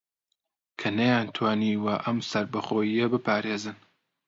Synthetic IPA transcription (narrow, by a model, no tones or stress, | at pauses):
kʰɐnɐjaːnt̪ʰwaːniːwɐʔɐmsɐɾbɐχoːjijɐbɨpʰaːɾeːzɨn